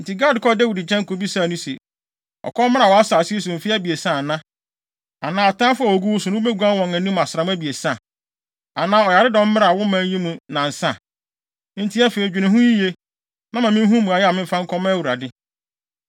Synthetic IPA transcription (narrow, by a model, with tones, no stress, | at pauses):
n̩˨ti˨ɡa˦˨dkʰɔ˦de˦wi˨dɪ˨d͡ʑɛ̃˦ŋ˦ko˨˦bi˦sa˦˨nũ˦sḛ˨ | ɔ̰˨kʰɔ˦mɪ̃˦a˨wɔ˨˦a˦sa˨si˦e˦s̬ʊ˨m̩˨fi˦æ˦bi˨e˨sã˦˨nã˦ | a˨nãː˨ɔ˨tã˦fʊ˦a˨o˨ɡu˦wʊ˦sʊ̃˨nʊ̃˦o˦be˦ɡu˨˦ã˦nwɔ̃˨ŋæ̃˨nũ˦m˨a˨sɾa˨mũ˦æ˦bi˨e˨sã˦˨ | a˨nãː˦ɔ˨ja˨ɾɪ˦dɔ̃˨˦m̩˦m˦ɾa˨wʊ˦mãː˨˦n˦ji˦mũ˨nã˨n̩˨sã˦˨ | n̩˨tʰi˦a˦fe˨i˨d͡ʑᶣu˨nã˨ɦũ˦ji˦je˦ | nã˦mã˨mɪ̃˦n˦ɦũ˦mũ˨a˨jɛ˦a˨mɪ̃˦m̩˦fã˦ŋ̩˦kʰɔ˦mã˦wu˨ɾa˨dɪ˦